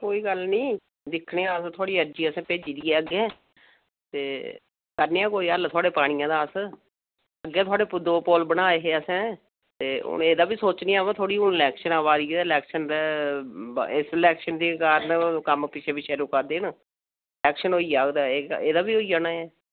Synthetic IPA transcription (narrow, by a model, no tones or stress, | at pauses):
koːiːɡəlnĩː | d̪ɪkʰneːaːst̪ʰʊaːɽiːəɾd͡ʒiːəsɛ̃ːpeːd͡ʒiːd̪iːɛːəɡɛ̃ː | t̪eː | kəɾneːãːkoːiːəlt̪ʰʊaːɽeːpaːɽ̃ɪjãːd̪aːəs | əɡːɛːt̪ʰwaːɽeːpʊd̪oːpɔːlbənaːeːɦeːəsɛ̃ː | t̪eːʊ̰neːd̪aːbiːsoːt͡ʃniːaːʋãːt̪ʰoːɽiːʊnɪlɛːkʃənaːʋaːd̪iːlɛːkʃənd̪eː | ɪsɪlɛːkʃənd̪eːkaːɾənkəmpɪt͡ʃʰeːpɪt͡ʃʰeːɾukaːd̪eːn | lɛːkʃənoːiːaːɡd̪aːeːeːd̪aːbiːɦoːiːaːnaːɛː